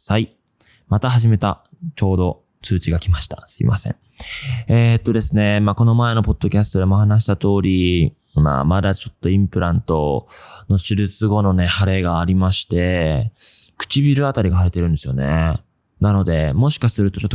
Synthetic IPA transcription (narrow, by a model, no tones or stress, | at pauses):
sai | mat̪aɦaʑime̞t̪a | t͡ɕo̞ːd̪o̞ | t͡sɨːt͡ɕiɡakʲimaɕi̥t̪a̰sɨḭmʔa̰sẽ̞̰ɴ | eːt̪ːo̞d̪e̞sɨne̞mako̞no̞maeno̞po̞d̪̥ːo̞kʲasɨ̥t̪o̞d̪e̞mohanaɕ̬i̥t̪at̪o̞ːɾʲi | ma̰mad̪at͡ɕo̞t̪ːo̞ĩmpɯ̟ɾãnt̪o̞no̞ɕɨɾɯt͡sɨɡo̞no̞ne̞haɾe̞ːɡaːɾʲimaɕi̥t̪e̞ | kɯ̥t͡ɕibʲiɾɯ̟at̪aɾʲiɡahaɾit̪e̞ɾɯ̟̃nd̪e̞sɨjone̞̰ | nano̞d̪e̞mo̞ɕi̥kasɨɾɯ̟t̪o̞t͡ɕotː